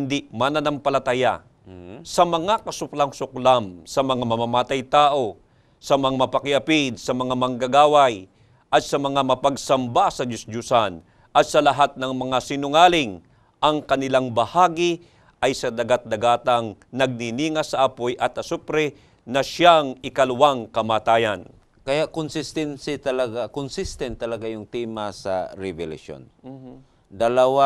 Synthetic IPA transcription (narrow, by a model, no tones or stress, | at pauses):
ɪnd̪ɪmanɐnɐmpɐlɐt̪ɐja̰ | sɐmɐŋakɐsʊklamsʊklamsɐmɐŋamɐmamaːt̪ɐjt̪aːʔo̞ | sɐmɐŋamɐpɐkɪʔɐpɪd̪̚sɐmɐŋamɐŋɡaɡaːwaj | ʔɐt̪sɐmɐŋamɐpɐɡsɐmbasɐd͡ʒʊsd͡ʒʊsan | ʔɐt̪̚sɐlɐɦat̪̚nɐŋmɐŋasɪnʊŋaːlɪŋ | ʔɐŋkɐnɪlaŋbɐhaːɡi | ʔɐjsɐd̪ɐɡat̪̚d̪ɐɡaːt̪ɐŋnɐɡ̚niniːŋasɐʔapojʔɐt̪ʔɐsupɾɛ | nɐʃaŋɪkɐlʊwaŋkɐmaːt̪aːjan | kɐjaʔkʊnsɪst̪ɛnsɪt̪ɐlɐɡakʊnsist̪ɛnt̪ːɐlɐɡajʊŋt̪ɛmasɐ̰ɾɛvɛlɐ̰ʃo̰n | d̪ɐlɐwa